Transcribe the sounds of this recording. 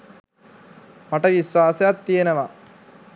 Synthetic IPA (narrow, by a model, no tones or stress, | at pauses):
mɐʈɐʋisʋaːsjaːt̪ːiɐnɐʋa